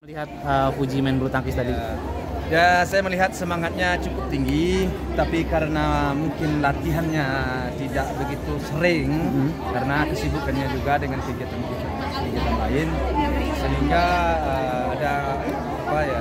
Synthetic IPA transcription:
əliɦat̪̚əfud͡ʒimɛnbəɾut̪aŋkɪst̪adi | jasajaməliɦat̪̚səmaŋat̪̚ɲat͡ʃukʊp̚t̪iŋɡi | t̪apikaɾənamuŋkɪnlat̪iɦanɲa | t̪idaʔ̚bəɡit̪usəɾɪŋ | kaɾənakəsibukanɲad͡ʒuɡadəŋankəɡat̪ankud͡ʒi | kəliŋɡiat̪anlaɪnsəniŋɡaəːdaː | paja

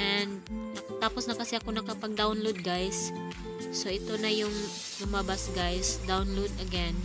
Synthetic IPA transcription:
ʔɛnd̪̚nɐkɐt̪aːposnɐkɐsɛʔɐkonɐkɐpɐɡ̚d̪awnlowd̪̚ɡajsː | o̞ʔɪt̪o̞nɐjʊŋ | lʊmabasɡajsd̪awnlowd̪ɐɡɛn

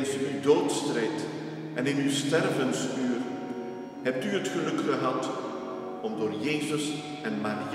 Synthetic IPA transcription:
nsyydoːtstrejt | ʔɛnɪnywstɛrvənstyːr | ɦɛp̚tyɦətχəlɵkχəɦɑt | ɔmdoːrjeːzəs | ɛnmaːri

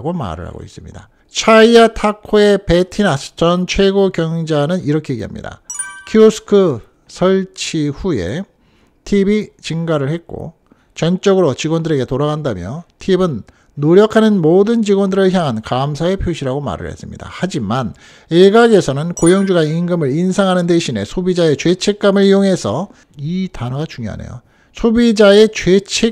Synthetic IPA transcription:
ɡoma̰ɾɯ̰ɦa̰ɡo̰ḭs͈ɯmɲḭda | t͡ɕʰaiatʰakʰoe̞pe̞tʰinasʰɯ̥t͡ɕʌnt͡ɕʰwe̞ɡokjʌŋd͡ʑanɯniɾʌkʰeeɡeɦa̰mɲḭda̰kʰiusʰɯ̥kʰɯ | sʰʌɭt͡ɕʰiɸuje̞̰ | tʰibit͡ɕiŋɡaɾɯɭhe̞t̚k͈o̰ | t͡ɕʌnt͡ɕ͈ʌɡɯɾot͡ɕiɡwʌndɯɾe̞ɡe̞toɾaɣandamjʌtʰibɯnː | oɾjʌkʰanɯnmoːdɯnt͡ɕiɡwʌndɯɾɯɭçjaŋɦankamsʰae̞pʰjoɕʰiɾaɡoma̰ɾɯ̰ɭɦḛs͈ɯmɲḭda̰had͡ʑiman | eɡaɡe̞sʰʌnɯnkojʌŋd͡ʑuɡainɡɯmɯɾinsʰaŋɦanɯndeɕʰine̞̰sʰobid͡ʑae̞t͡ɕɥe̞t͡ɕʰe̞k̚k͈amɯɭijoŋɦe̞sʰʌ | itanʌɡat͡ɕuŋjo̰ɦa̰nḛjo̰ | sʰobid͡ʑae̞t͡ɕwe̞t͡ɕʰe̞

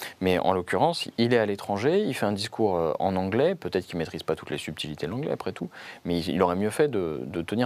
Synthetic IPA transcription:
mɛɑ̰̃lɔkʲyʁɑ̃silɛalet̪χɑ̃ʒeilfɛɛ̃d̪iskʰuʁøɑ̰̃nɑ̃ɡlɛpøt̪ɛt̪χkilmet̪χizpat̪u̥t̪lesyb̚t̪ʰilit̪ed̪lɑ̃ɡlɛ̰apχɛt̪umɛiḭloʁɛmjøfɛd̪əd̪ət̪əniʁ

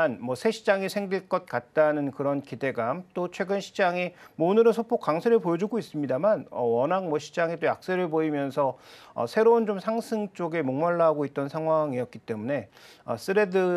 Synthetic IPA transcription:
anmʌsʰe̞ɕʰid͡ʑaŋisʰeŋɡiɭk͈ʌt̚k͈at̚t͈anɯnkɯɾʌnkide̞ɡamt͈ot͡ɕʰwe̞ɡɯnɕʰi̥d͡ʑaŋimonɯɾɯnsʰopʰok͈waŋsʰeɾɯɭpojʌd͡ʑuɡois͈ɯmɲidamanʌ̰wʌnaŋmʌɕʰi̥d͡ʑaŋit͈ojak̚s͈eɾɯɭpoimjʌnsʰʌʌ̰sʰe̞ɾount͡ɕomsʰaŋsʰɯŋt͡ɕ͈oɡe̞moŋmaɭːaɦaɡoit̚t͈ʌnsʰaŋɦwaŋiʌt̚k͈it͈e̞mune̞ | ʌ̰s͈ɯɾe̞dɯ

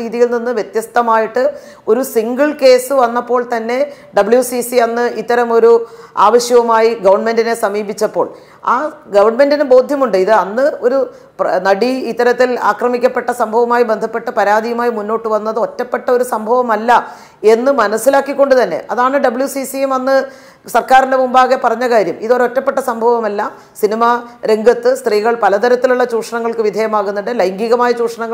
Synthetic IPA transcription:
iːðijilninːɨʋjet̪jɐst̪ɐmaːjiʈːɨ | o̞ɾusiŋɡɐɭke̞ːsɨʋɐnːɐpːo̞ːɭt̪ɐnːe̞ | ɖɐbɨɭjusisiɐnːɨʔit̪ːɐɾɐmo̞ɾuaːʋɐɕjɐʋɐmaːjiɡɐʋɐrɳme̞ndine̞sɐmiːbit͡ɕːɐpːo̞ːɭ | a̰ːɡɐʋɐrɳme̞ndinɨbo̞ːd̪ʱjɐmuɳɖɨiðɨɐnːɨo̞ɾu | pnɐɽiit̪ːɐɾɐt̪ːila̰ːkrɐmikʲːɐpːe̞ʈːɐsɐmbʱɐʋɐmaːjibend̪ʱɐpːe̞ʈːɨpɐɾaːd̪ijɐmaːjimunːo̞ːʈːɨʋɐnːɐðɨo̞tːɐpːe̞ʈːɐo̞ɾusɐmbʱɐʋɐmɐlːɐ | e̞nːɨmɐnɐsːilaːkːikʲːo̞ɳɖɨt̪ɐnːe̞̰ʔɐðaːɳɨɖɐbɨɭjusisijemɐnːɨ | sɐrkaːɾinde̞mumbaːɣepɐrɐɲːɐkaːɾjɐmiðoɾo̞tːɐpːe̞ʈːɐsɐmbʱɐʋɐmɐlːɐ | sinimaɾe̞ŋɡʱɐt̪ːɨst̪riːɣɐɭpɐlɐt̪ɐɾɐt̪ːiluɭːɐt͡ɕuːʈʂɐɳɐŋːɐɭkɨʋid̪ʱeːjɐmaːɣunːuɳɖɨlɐjŋɡiɣɐmaːjɐt͡ɕuːʈʂɐɳɐŋːɐ

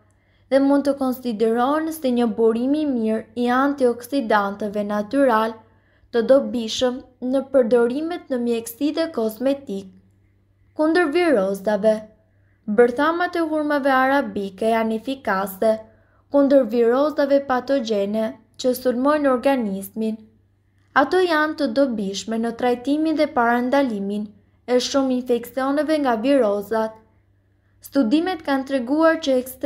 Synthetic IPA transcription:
ðɛmund̪t̪əkɔnsid̪ɛɾɔnsɛɲəbuɾimimiɾiant̪iɔksid̪ant̪ɛvɛnat̪yɾal | t̪əd̪ɔbiʃəmnəpəɾd̪ɔɾimɛt̪̚nəmjɛksid̪ɛkɔzmɛt̪ik̚ː | und̪əɾviɾɔzavɛ | bəɾθamat̪ɛɦuɾmavɛaɾabikɛanɛfikasɛ | kund̪əɾviɾɔzavɛpat̪ɔd͡ʒɛnɛ | t͡ʃəsulmɔjnɔɾɡanizmin | at̪ɔjant̪əd̪ɔbiʃmɛnət̪ɾajt̪iminðɛpaɾand̪alimin | ɛʃʃuminfɛksiɔnɛvɛŋɡaviɾɔzat̪̚ | st̪ud̪imɛt̪kant̪ɾɛɡuaɾt͡ɕəɛkst̪

